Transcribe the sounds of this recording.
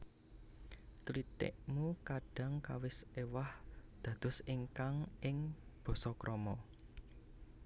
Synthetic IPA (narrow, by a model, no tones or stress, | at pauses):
t͡ʃlit̪ɪ̰ʔmukaɖ̥ä̤ŋkawɪsewahd̪̥ä̤d̪̥ʊ̤siŋkaŋʔɪŋb̥ɔ̤sɔkɾʔɔmɔ